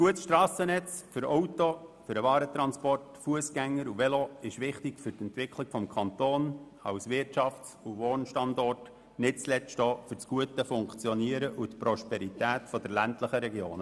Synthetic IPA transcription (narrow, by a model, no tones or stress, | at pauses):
ɡ̥uətsʃtɾɑːsənɛt͡sfʏɾɔʊtofʏɾəvɑːɾət̪ɾɑnspɔrtfuəsɡæŋːəɾuʋɛloɪʃʋɪχtɪɡ̥fʏɾtɛnt̪ʋɪkʰlɪɡ̥fɔmkʰɑnt̪oːn | ɑ̰ʊsʋɪrtɑft͡suʋoːnʃtɑndɔrt | nɪt̚t͡slɛʃtɔːfʏɾt͡sɡ̥uətəfʊŋkt͡sjɔniəɾəʔut̪pɾɔʃpɛɾit̪æːt̪fɔd̥̪ɛɾlæntləχəɾɛɡjo̰ːn